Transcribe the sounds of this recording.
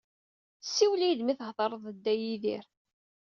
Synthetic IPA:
sːiwlijd̪miθəhðˤɑɾˤəðˤəd̪ːæjiðḭɾ

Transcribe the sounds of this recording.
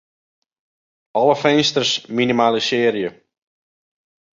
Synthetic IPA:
ɔləfɛnstərsminimaːləsɪːəɾijə

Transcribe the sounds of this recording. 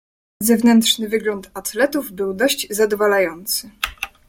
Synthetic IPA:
zɛvnɛnt̪ʂnɘvɘɡlɔnt̪at̪lɛt̪uvbɘwd̪ɔɕd͡ʑzad̪ɔvalajɔnt̪sɘ

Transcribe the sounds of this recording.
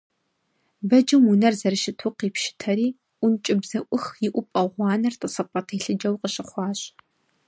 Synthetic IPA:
bɐd͡ʒɨmunɐrzɐɾɨʃɪtʰʊqiːpʃɪ̥tʰɐɾiː | ʔʷʊnt͡ʃʼɪbzɐʔʷʊxjɪʔʷʊpʼɐʁʷɑːnɐrtʼəsɨpʷʼɐtʰiːɬɨd͡ʒɐwqəɕɪχʷɑːɕ

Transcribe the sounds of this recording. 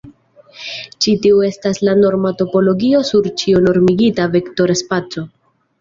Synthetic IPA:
t͡ʃitiue̞staslano̞ɾmato̞po̞lo̞ɡio̞suɾt͡ʃiono̞ɾmiɡitavekto̞ɾespat͡so̞

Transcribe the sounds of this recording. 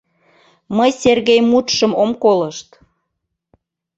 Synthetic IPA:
məjserɣejmut̪ʃəmomkoləʃt̪

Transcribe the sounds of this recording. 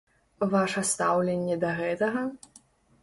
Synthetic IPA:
vaʂɐst̪awlʲenʲːɛd̪ɐɣɛt̪ɐɣɐ

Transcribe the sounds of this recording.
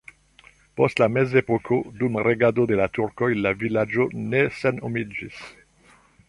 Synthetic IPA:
postlame̞ze̞pokʰo̞dumaɾeɡado̞de̞latuɾko̞jlavilad͡ʒo̞ne̞senomid͡ʒis

